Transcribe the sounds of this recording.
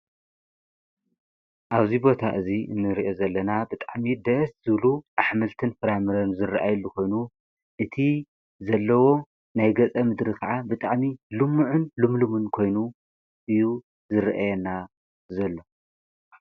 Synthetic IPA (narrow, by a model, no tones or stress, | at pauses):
ʔaβzibo̞t̪ʰaʔɨziɨ̰nːɨɾiʔo̞zɐlːɐnabɨt̪ʼaʕmid̪ɐszɨβluʔaħmɨlt̪ʰɨnfɨɾamɨɾɐnzɨrːʔa̰jlːukʰo̞jnu | ʔɨt̪ʰi | zɐlːɐwo̞ | najɡɐt͡sʼɐmɨd̪ɾikʰɐʕabɨt̪ʼaʕmilɨmːuʕʊnlɨmlumɨnkʰo̞jnu | ʔɨju | zɨɾʔajɛna | zɐlːo